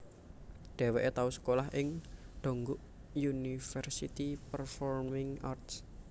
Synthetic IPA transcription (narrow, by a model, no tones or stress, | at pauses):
ɖ̪̥ɛ̤weʔet̪ausə̥kolaɦʔɪŋɖ̪̥o̤ŋɡuʔ | junifərsit̪ipərfɔrmɪŋart̪s